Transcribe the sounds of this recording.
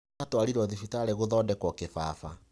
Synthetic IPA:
atwaɾiɾɔðifitaːɾeɣoðɔːdɛkwɔkefaːfa̰

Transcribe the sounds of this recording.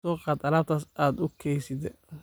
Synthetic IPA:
ɔːqɑd̪ɐɾaːt̪ʰasaːd̪ʊkʰɛjsɪd̪ɛ

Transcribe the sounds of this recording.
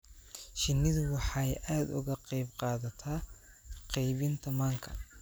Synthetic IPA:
ʃɪnːɪðʊwɑħɑjʔaːd̪ʊ̰ɣɐqɑjbqɑːðɐt̪ʰaː | qɛjβɪnt̪ʰɐmaːŋkʰɐ̰

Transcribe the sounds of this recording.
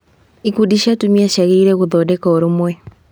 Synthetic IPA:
ikudiʃatumiaɕaɣeiɾɛɣoðɔːdɛkaoɾomwɛ

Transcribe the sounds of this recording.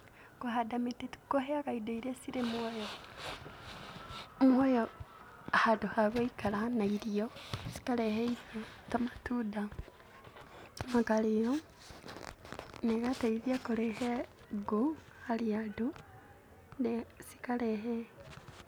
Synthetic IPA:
kuɦadamitetu̥koheakaidoiɾesiɾemwojo | mwojo | hadohaβoikalanaiɾiosi̥kaleheisatamatuda | makaliɾo | nekataiðjakolehe | ɡu | haliadu | nesi̥kaleɦe

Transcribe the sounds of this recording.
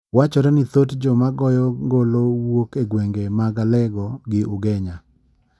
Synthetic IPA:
wat͡ʃɔɾɛnɪt̪otd͡ʒɔmaɡɔjɔŋɡolowokeɡweŋɡemaɡalɛɡɔɡɪʔʊɡɛɲa

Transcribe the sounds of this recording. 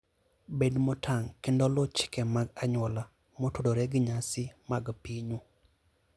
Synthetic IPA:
bedmɔtʰaŋkendɔlot͡ʃɪ̥kɛmaɡaɲwɔla | motodoɾɛɡɪɲasɪmaɡpiɲu

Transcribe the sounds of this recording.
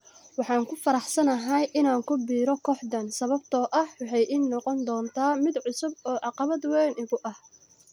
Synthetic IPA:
wɑħɑːŋkʰʊfɐɾɑħsɐnɐɦɐjʔɪnaːŋkʰʊbiːɾɔkʰɔːħd̪ɐnsɐβɐbt̪ʰɔːʔɐhwɑħɑjʔɪnːɔqɔnd̪ɔːnt̪ʰaːmɪd̪ʕʊsʊb̚ɔːʕɑqɑβɐd̪wɛnɪɣʊʔɐh

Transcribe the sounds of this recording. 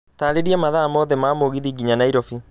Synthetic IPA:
taːɾeɾiɛmaðamɔːðɛmaːmoɣiðiɡiɲanaiɾɔfi

